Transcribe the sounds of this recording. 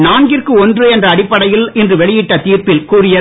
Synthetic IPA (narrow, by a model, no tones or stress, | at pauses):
naːɳɡɪrkɯɔndrɯɛndrɐːɽɪpːɐɽɐjɪlɪndrɯʋɛɭɪjɪʈːɐt̪iːrpɪlkuːrɪjɐ